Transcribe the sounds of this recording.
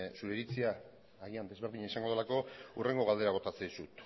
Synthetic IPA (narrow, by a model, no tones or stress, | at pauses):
suɾeɾit͡siaː | ɣiand̪e̞zβeɾðiɲaisaŋɡo̞ðlako̞ure̞ŋɡo̞ɣald̪e̞ɾaɣ̞o̞t̪at͡seðisut̪